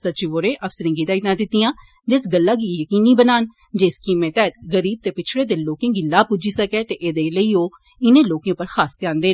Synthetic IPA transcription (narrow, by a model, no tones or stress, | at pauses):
sətːt͡ʃiʋoːɾẽːʔəfsəɾĩːŋɡiːt̪aːit̪naːd̪ɪt̪ijãː | d͡ʒɪsɡəlːaːɡiːjəkiːniːbənaːn | d͡ʒɪskiːmẽːt̪ɛːt̪ɡəɾiːb̚t̪eːpɪt͡ʃʰɽeːd̪ɪloːkẽːɡiːlaːpʊd͡ʒiːsəkɛːt̪eːʔeːd̪eːləiːoː | ɪnẽːloːkẽpəɾxaːst̪jãːnd̪eː